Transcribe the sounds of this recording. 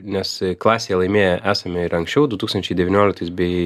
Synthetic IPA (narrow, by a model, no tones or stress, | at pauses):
nʲɛsklˠɑːsʲeːjɛlˠɐɪmʲeːjɛʔæːsɐmʲɪɪɾɐŋksʲt͡ʃʲɛʊd̪ʊt̪uːkst̪ɐnʲt͡ʃʲɛɪdʲɛʋʲɪnʲoːlʲɪk̚t̪ɐɪsbʲɛɪ